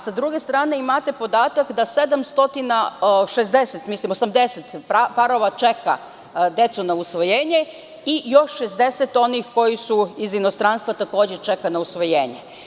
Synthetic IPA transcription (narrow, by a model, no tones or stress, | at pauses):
sad̪ɾuɡe̞st̪ɾaːne̞imat̪e̞po̞d̪aːt̪akd̪ase̞d̪amst̪o̞t̪inaʃezd̪eset̪mislimosamd̪e̞set̪papaɾo̞ʋat͡ʃeka̰ | d̪e̞t̪sunausʋo̞jeːɲe̞ | ijo̞ʃːezd̪e̞set̪o̞nixko̞jisuizino̞st̪ɾanst̪ʋat̪ako̞ːd͡ʑet͡ʃe̞kanausʋo̞jeːɲe